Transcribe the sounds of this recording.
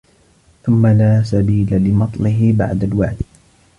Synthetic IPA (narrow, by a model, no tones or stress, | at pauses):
θʊmːalaːsabiːlalɪmɑt̪ˤlɪɦɪba̰ʕd̪alwaʕd̪